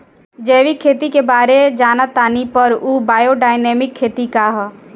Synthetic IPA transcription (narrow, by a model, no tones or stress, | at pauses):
d͡ʒɛːʋikʰːeːt̪ikebaːɾed͡ʒaːnat̪aːnipəɾuːbaːjoɖaːɪneːmɪkʰːeːt̪ikaɦ